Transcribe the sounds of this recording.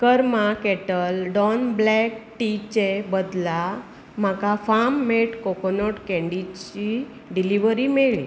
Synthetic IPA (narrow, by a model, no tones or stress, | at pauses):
kəɾmakɛʈəlɖɔnblɛkʈit͡ɕebəd̪la | m̤akafamːeʈkɔkonoʈkɛ̃ɳɖit͡ɕi | ɖiliʋəɾimeɭḭ